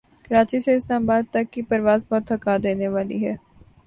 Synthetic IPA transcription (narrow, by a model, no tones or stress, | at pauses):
kɐɾaːt͡ʃiseɪslaːmabaːd̪̚t̪ɐkːipɐɾʋaːzbɔːt̪ɦɐkaːd̪eːneʋaːlḭɦɛː